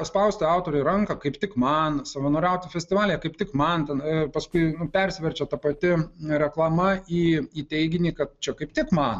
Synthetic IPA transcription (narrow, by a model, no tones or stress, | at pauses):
spɐʊsʲt̪ʲɪɑˑʊt̪oːɾʲʊɪɾɐŋkɐkɐɪpt̪ʲɪkmɐnsɐʋɐnoːɾʲɛʊt̪ʲɪfʲɛsʲt̪ʲɪʋɑːlʲɪjɛkɐɪptʲɪkmɐnt̪ʲɛnpɐskʊɪnʊpʲɛɾʲsʲʋʲɛɾʲt͡ʃʲɛt̪ɐpɐt̪ʲɪɾʲɛklˠɐmɐiːiːt̪ʲɛɪɡʲɪnʲiːkɐt̪̚t͡ʃʲɛkɐɪpt̪ʲɪkmɐn